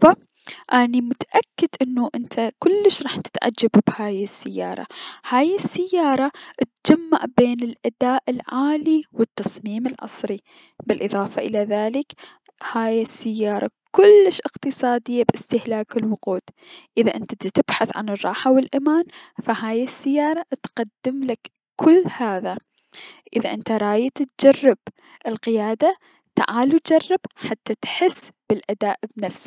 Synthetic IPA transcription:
fa | ʔanimʊt̪aʔakːɪd̪ʔɪnːuʔɪnt̪ʰakʊlːɪʃɾˤɑːħt̪ɪ̥t̪ʕa̰d͡ʒːabbhaːjɪsːɪjːɑ̰ːɾˤɑ̰haːjɪsːɪjːɑːɾˤɑʔt̪̚d͡ʒamːa̰ʕbeːnɪlʔad̪aːʔɪlʕaːliwɪt̪ːɑsˤmiːmɪlʕɑ̰sˤɾi | bɪlʔɨðˤɑːfɑʔɪlaðaːlɪk | haːjɪsːɪjːɑːɾˤɑ̰kʊlːɪʃʔɪqt̪ɨsˤɑːd̪ɪjːabɪst̪ɪhlaːkɪlwʊquːd̪ʔɪðaʔɪnt̪at̪ɪb̥ħaθʕa̰nɨrˤːɑ̰ːħawɪlʔamaːnfahaːjɪsːɪjːɑːɾˤɑt̪qad̪ːɪmlak | kʊlːhaːða | ʔɪðaʔɪnt̪aɾˤɑːjat̪t̪̚d͡ʒɑrˤːɪb | ʔɪlqɪjaːd̪a | t̪a̰ʕaːlut̪̚d͡ʒɑrˤːɪb̥ħat̪ːat̪ħɪsːb̥ɪlʔad̪aːʔbnafsi̥

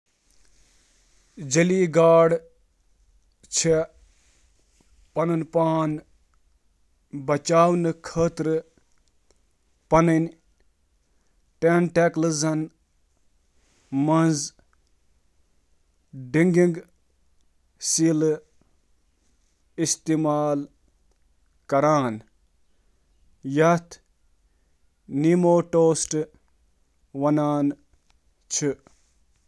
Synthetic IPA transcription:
d͡ʒɐliɡaːɽ | t͡ʃʰe | pɐnɨnpaːn | bɐt͡ʃaːwnɨkʰəːt̪ɾɨ | pɐnən | ʈenʈeklɨzɐn | mɐnz | ɖiŋɡiŋɡ | siːl | ist̪imaːl | kɐɾaːn | jɐt̪ʰ | nimoːʈoːsʈ | wɐnaːn | t͡ʃʰu

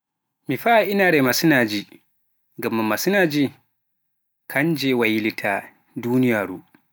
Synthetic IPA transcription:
miɸaʔɪnaːɾɛmasinaːd͡ʒiː | ɡɐmːamːasinaːd͡ʒiː | kʰand͡ʒɛːwajilitʰa | duːnɪjaːɾṵː

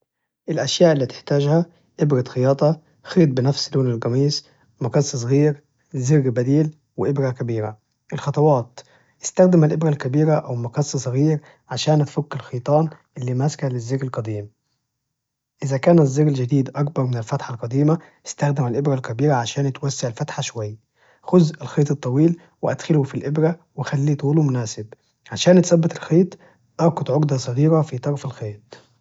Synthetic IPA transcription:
ʔɪlʔæʃjaːʔɪlːiːt̪ɪ̥ħt̪æːd͡ʒhæ | ʔɪbɾɑt̪xɪjɑːt̪ˤɑ | xeːt̪̚bɪnæfsloːnɪlɡɑmiːs | mʊkɑsˤːsˤɣiːɾ | zɪɣbæd̪iːl | wɪʔɪbɾækæbiːɾa̰ | ʔɪlxɑt̪ˤɑwɑːt̪ | ʔɪst̪æxd̪ɪmælʔɪbɾælkæbiːɾaʔæwmʊkɑsˤːsˤɣiːɾ | ʕaʃæːnt̪fʊkːɪlxiːt̪ˤɑːnʔɪlːiːmæskælɪzːɪɣɪlqɑd̪iːm | ʔɪzækæːnæzːeːɡæld͡ʒæd̪iːd̪ʔɑkbɑɾˤmɪnɪlfæt̪ħalqɑd̪iːmæ | ʔɪst̪æxd̪ɪmælʔɪbɾælkæbiːɾaʕaʃæːnt̪wæsːeʕelfæt̪ħaʃowæjː | xozːɪlxeːt̪ˤɨt̪ˤːɑwiːl | weʔæd̪xɪlhʊfilʔebɾæwexælːiːt̪ˤuːlumʊnæːsɪb | ʕaʃæːnt̪sæbːɪt̪elxeːt̪ˤ | ʔɑɾɡʊd̪ʕoɡd̪ɑsˤɑɣiːɾæfit̪ˤɑɾˤfelxeːt̪ˤ

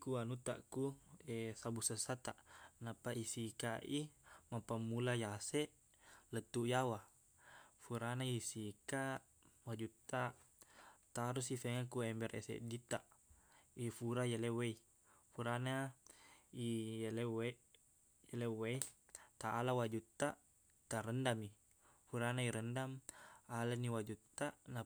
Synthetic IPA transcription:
ikuanut̪a̰ʔkuesabusəsat̪aʔnapaʔisikaʔimapamːulajaseʔ | lət̪ːujawa | fuɾanaisika | wad͡ʒut̪ːaʔ | t̪aɾusifeŋakuɛmbɛɾḛsḛʔdit̪aʔ | ifuɾajalɛwei | fuɾana | ijlɛwe | jalɛweit̪aʔːlawad͡ʒut̪ːaʔ | t̪aɾəndami | fuɾanaiɾəndamalaniwad͡ʒut̪ːana

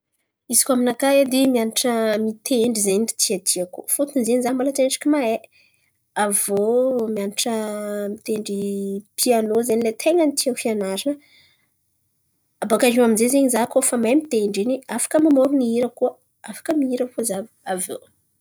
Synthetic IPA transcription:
izi̥kʲaminakajad̪emianiʈ͡ʂəmit̪ʰeɳɖ͡ʐizenii̥t̪ʰiat̪ʰiakufot̪unzeɲzamalaʈ͡ʂenʈ͡ʂi̥kʲimae | avomianiʈ͡ʂəmit̪eɳɖ͡ʐipʰianozenilet̪ʰeŋənit̪iafianaɾinə | abakaʒiaminzezeɲizakofamajmit̪eɳɖ͡ʐiniafḁkəmamoɾuniiɾəkuə | afḁkəmiiɾəkuzav | avo̰

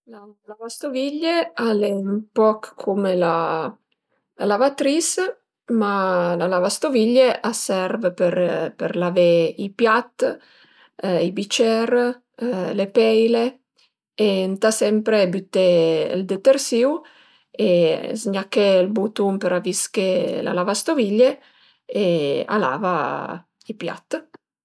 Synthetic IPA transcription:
lalavast̪oviʎːealempɔkkʰːumela | alavat̪ɾis | malalavast̪oviʎːeʔasɛɾvpeɾpeɾlaveipjat̪ː | ibit͡ʃɛr | lepɛjle | ent̪asɛmpɾebyt̪ːḛld̪et̪ersiw | ezɲakːelbut̪umpeɾaviskela̰lavast̪oviʎːe | ea̰la̰ːva | ipja̰t̪ː

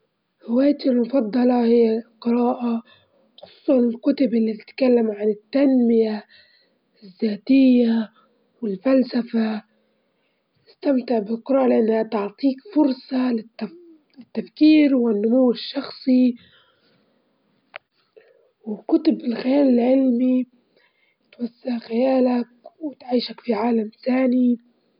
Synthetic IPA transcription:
ɾɪwaːjat̪ɪlmʊfɑd̪ˤːɑlɑhɪjːaqɨɾaːʔa | xʊ̥sˤuːsˤɑnɪlkʊt̪ʊbʔɪlːit̪ɪ̥t̪kalːamʕanɪt̪ːanmɪja | zːaːt̪ɪjːa | wɪlfalsafa | ɪst̪amt̪ɪʕbɪlqɨɾɑːʔalɪʔanːhat̪ɑʕt̪ˤiːkfʊɾsˤɑlɪ | lɪt̪ːafkiːɾwɪnːʊmuwːɪʃːɑxsˤi | wɪkʊt̪ʊbɪlxɪjaːlɪlʕɪlmi | t̪wasːaʕxɪjaːlakwɪt̪ʕiːʃakfiʕaːlamt̪aːni

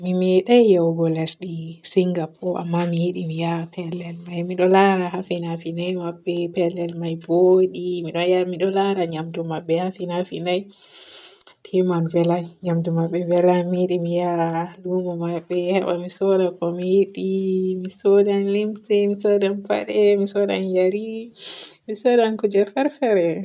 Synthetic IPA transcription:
mimɛɗajjawɡɔlɛsɗisiŋɡapʰɔʔa̰mːamijiɗimijapɛlɛlmajmiɗɔlaɾahafinafinajmabːɛpɛlɛlmajvoɗimiɗɔjamiɗɔlaɾaɲamdumabːɛhafinafinaj | tʰɛmanvɛlaɲamdumabːɛvɛlamiɗimijalumumabːɛhɛɓa̰misɔɗakɔmiɗimisɔdanlimsɛmisɔdanfa̰ɗɛmisɔɗa̰njaɾi | misɔdankud͡ʒɛfɛɾfɛɾɛ

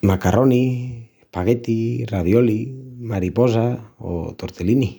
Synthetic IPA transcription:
makarʔoni | paɣet̪iraðjolimaɾipozao̰t̪oɾt̪elini

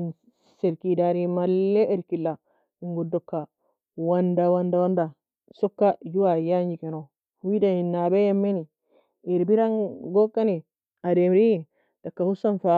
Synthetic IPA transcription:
n | seɾkidaɾimalːɛʔeɾkilːa | iŋɡudɔkːa | wandawandawanda | sɔkːajuwajaɲd͡ʒikɛnɔ | hwidaninːabejamːeni | eɾbiɾanɡɔkːani | ademɾi | d̥akːahusanfa

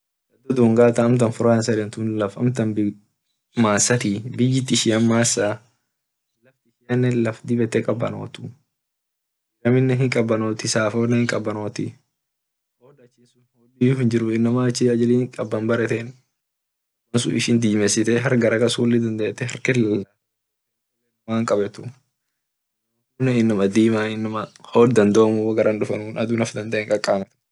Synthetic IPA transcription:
d̪ɐd̪ːɔd̪uːŋɡaːt̪ɐɐmt̪ɐnfʊɾaːnsɐlɛnt̪unlɐfɐ̰mt̪ɐnb | maːsːɐt̪ɪbɪjːɪt̪ːɪʃɪjɐnmaːsːa | lɐft̪ɪʃɪjɐnːɛlɐfd̪ɪbɛt̪ːɛkʼɐbːɐ̰no̰ːt̪ʊ | ɪɾɐmɪnːɛɦɪŋkʼɐbːɐnoːt̪ɪsaːfoːnːɐhɪŋkʼɐbːɐnoːt̪ɪ̰ | hoːd̪ɐt͡ʃːinsʊnhoːlːijʊfɪnd͡ʒɪɾʊɪnːɐmaːɪt͡ʃːɪɐd͡ʒɛliːŋkʼɐbːɐnbɐɾɛt̪en | mɐnsʊ̰ɪʃɪnd̪iːmɛsɪt̪ɛɦɐɾɡɐɾɐkɐshuːlːɪd̪ɐnd̪eːt̪ːɛhɐɾkɛlɐla | ɐlenɐmaːŋkʼɐbɛt̪u | ɐunɐɪnːɐmɐd̪iːmaːɪnːɐmaho̞ːdd̪ɐnd̪oːmuwɐɡɐɾʔɐnᶑʊfɐnunɐd̪unɐfd̪ɐnd̪ɐeʔeŋkʼɐkʼːaːmɐt̪

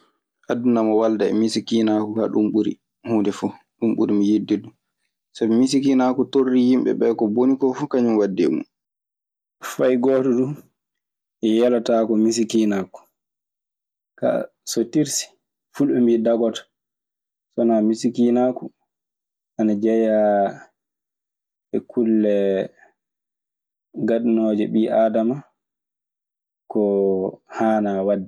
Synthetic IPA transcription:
ʔadːunamɔwaldaɛ̰misikinakuka̰ɗumɓuɾḭ | hundɛfu | ɗumɓuɾimijidːidu | sabɛmisikinakutorːijimɓɛ̰ɓɛkɔbonikɔfukaɲunwadːɛ̰mṵn | fajɡɔtɔdun | ʔɛjalataːkɔmis̬ikinaku̥ | ka̰ | sotiɾsi̥ | fulɛmbidaɡɔtḁ | sɔnamisikinaku | ʔanad͡ʒɛja | ɛkʰulːɛ | ɡaɗnɔd͡ʒɛɓiʔaːdama | kɔhaːnawadːɛ

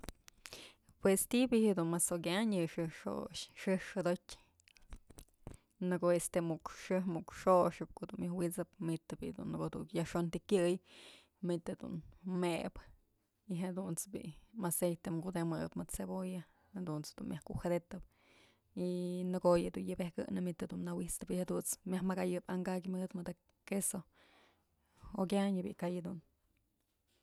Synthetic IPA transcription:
pwest̪ibiʔhed̪unmasokʲaɲjɨʂɨʂo̰ʃʂɨʂod̪otʲ | nɨɡoest̪emukʂɨhmukʂoʂɨp̚koʔd̪unmjɨhwit͡sɨpmit̪ɨbḭʔd̪ṵnːɡod̪ṵkjaʂont̪ikʲɨj | mit̪ɨd̪ṵnmeb | iɦed̪unt͡sbḭʔmasejt̪emkud̪emɨpmɨd̪t͡seboja | hed̪unt͡sd̪unmjahkuʔxed̪et̪ɨp̚ | inɨɡojɨd̪unjɨbehkɨ̰ʔnɨmit̪ɨd̪unːawist̪ɨpihed̪unt͡smjahmaɡajɨpaŋɡak̬ʲmɨd̪mɨd̪a | keso | okʲaɲɨbḭʔkajɨd̪un

